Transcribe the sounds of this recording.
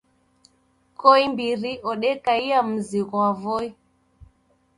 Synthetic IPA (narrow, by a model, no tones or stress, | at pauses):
kɔimbiɾiʔɔɗɛkaiam̩ziɣɔavɔi